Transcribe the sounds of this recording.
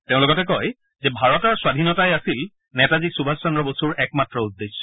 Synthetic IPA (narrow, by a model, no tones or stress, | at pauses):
teʊ̃lʊkɔtɛkɔj | zɛbʱaɹɔtaɹswadʱinɔtajasil | nɛtaziksubʱassɔndɹɔbosuɹɛkmatɹɔudːesːɔ̥